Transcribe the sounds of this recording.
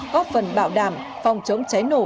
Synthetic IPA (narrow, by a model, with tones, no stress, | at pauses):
ɣɔ˦˥fə˨˩nɓaː˧˨wɗaː˧˩m | fa˨˩wŋ͡mt͡ɕə˨˦wŋ͡mt͡ɕa˨˦jno̰˧˩